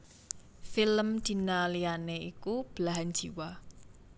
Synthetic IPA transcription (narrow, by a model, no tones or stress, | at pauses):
filəmd̪̥i̤nalianeikub̥laɦand͡ʒ̥iwa